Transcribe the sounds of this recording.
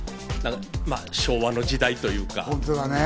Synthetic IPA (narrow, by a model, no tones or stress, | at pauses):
nãŋmaɕo̞ːβano̞d͡ʑid̪ait̪o̞jɯ̟ːka̰õnt̪od̪ane